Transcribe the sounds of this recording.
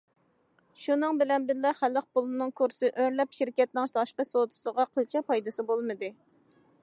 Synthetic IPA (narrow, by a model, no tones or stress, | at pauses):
ʃunɨŋbɪlɛnbɪɾlɛχælːəq̚polˠɨnɨŋkʰuɾsɨʔøɾlɛpʃɪɾkʲɛt̪̚nɪŋʃt̪ʰɑʃqəsot̪ʰu̥səʁɑqʰəlˠt͡ʃʰɛpɑjd̪ɨsɨbolˠmɨd̪ɨ